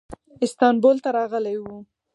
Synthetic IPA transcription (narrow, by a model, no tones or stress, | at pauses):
ɪst̪ɑnbolt̪aɾɑɣəlajwu